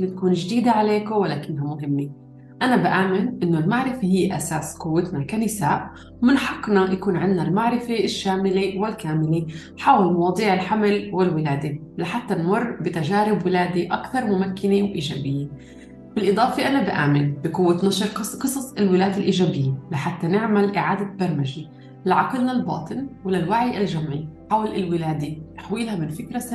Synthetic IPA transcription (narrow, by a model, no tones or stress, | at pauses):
ɪnːt̪ḁkuːnʒd̪iːd̪aʕaleːkowɪlaːkɪnːɦamʊɦɪmːe | ʔanabɪʔaːmɪnʔɪnːolmaʕɾɪfeɦɪjːʔasaːsqʊwːat̪nakanɪsaːʔ | mɪnħɑqːnajʔakuːnʕɪndːalmaʕɾɪfeʔʃːaːmɪlewɪlkaːmɪle | ħaːwalmɑwɑːd̪ˤiːʕɪlħamlwɪlwɪlaːd̪elaħat̪ːanmʊrˤːbɪt̪aʒaːɾɪbwɪlaːd̪iʔakθɑɾˤmʊmakːɪnewʔiːʒaːbɪjːe | bɪlʔɨd̪ˤɑːfeʔanabɪʔa̰ːmɪlbɪqʊwːat̪naʃɾqqɨsˤɑsˤɪlwɪlaːd̪ɪlʔiːʒaːbɪjːelaħat̪ːanɪʕmalʔɪʕaːd̪abɑɾˤmaʒi | lʕɑqlnalbɑ̰ːt̪ˤɨnwɪlɪlwaʕɪjʔɪlʒamʕiħaːwalɪlwɪlaːd̪et̪ḁħwiːlhamɪnfɪkɾasa